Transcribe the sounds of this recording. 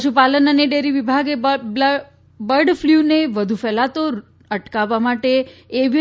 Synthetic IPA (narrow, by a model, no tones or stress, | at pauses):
pʃupalənəneɖeɾiʋibʱaɡe | bəɾɖfljuneʋəd̪ʱufɛlat̪o | əʈkaʋamaʈeːʋ